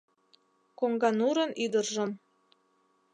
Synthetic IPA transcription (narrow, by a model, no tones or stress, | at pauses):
koŋɡɑnuɾənʔyd̪ərʒə̆m